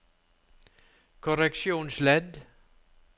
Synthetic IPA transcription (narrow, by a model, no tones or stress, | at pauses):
kʰʊɾɛkʃjuːnslɛd̪